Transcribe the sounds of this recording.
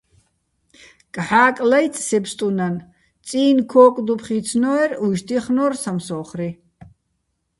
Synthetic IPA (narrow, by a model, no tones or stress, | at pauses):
kʼħaːkʼlaj̪t͡sʼsɛpst̪ʼunan | t͡sʼiːnkʰɔːkʼd̪upʰχit͡sʰnɔɛɾuʃt̪ʰiχnɔrsamsɔχri